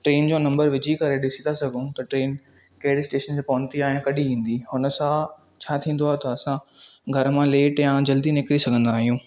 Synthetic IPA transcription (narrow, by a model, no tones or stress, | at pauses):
ʈɾeːnd͡ʑoːnɐ̃mbəɾʋɪd͡ʑʱikɐɾeɗɪsit̪asɐɡʱũt̪ɐʈɾeːn | kɐːɪɽɪsʈeːʃəntẽpɐ̃nt̪iaːɦɪ̃kɐɗiʋĩːn̆d̪ihʊnə̆sã | t͡ɕʰaːt̪ʰĩːnd̪oaːɦet̪ɐːsãɡʱɐɾmãleːʈjãd͡ʑɐld̪inɪkɾisɐɡʱə̃nd̪aːɦijũː